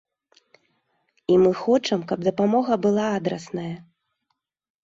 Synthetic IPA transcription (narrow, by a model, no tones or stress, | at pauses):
imɨxɔt͡ʂɐmkɐb̚d̪ɐpamɔɣɐbɨlˠaad̪ɾɐsnɐjɐ